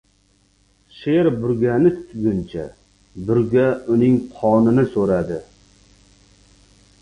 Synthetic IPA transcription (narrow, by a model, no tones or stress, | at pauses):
ʃeɾbʊɾɡʲanɪt̪ʰʊ̥t̪ʰɡʲʊnt͡ʃʰa̰ | bʊɾɡʲaʊnɪŋqʰɒnɪnɪsoɾad̪ɪ